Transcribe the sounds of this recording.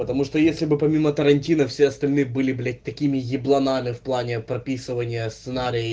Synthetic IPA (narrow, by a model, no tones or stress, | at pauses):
pət̪ɐmuʂt̪ojesʲlʲɪbɨpɐmʲimət̪əɾɐnʲtʲinəfsʲeɐst̪ɐlʲnɨjəbɨlʲɪblʲɪt̪ɐkʲimʲɪjɪblˠɐnamʲɪfplˠanʲɪpɾɐpʲisɨvənʲɪjəst̪sɨnaɾʲɪj